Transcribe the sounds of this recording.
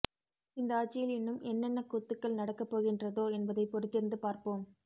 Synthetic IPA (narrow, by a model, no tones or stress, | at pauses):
ɪnd̪ɐaːt͡ʃːɪjɪlɪnːɯmɛnːɛnːɐkːut̪ːɯkːɐɭnɐɽɐkːɐpːoːɣɪndrɐðoːɛnbɐðɐɪpːɔɾɯt̪ːɪɾɯnd̪ɯpaːɾpoːm